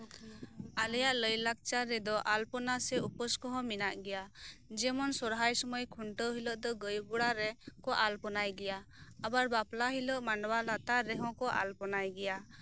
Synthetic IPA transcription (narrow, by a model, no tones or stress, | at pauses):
alɛjaʔləjlak̚t͡ʃaɾɛd̪ɔʔalpɔnasɛupɔskɔɦɔ̃minaʔɡɛjad͡ʒɛmɔnsɔɾɦajsɔmɔjkʰuɳʈəɦiləʔd̪ɔɡəjɡuɽaɾɛkɔʔalpɔnajɡɛjaː | baɾbaplaɦilɔʔmaɳɖwalat̪aɾɛɦɔ̃kɔʔa̰lpɔnajɡɛja